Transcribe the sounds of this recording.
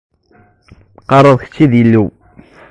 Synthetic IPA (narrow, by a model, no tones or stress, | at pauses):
qɑɾˤəðˤçə̥t͡ʃːiðjilːiw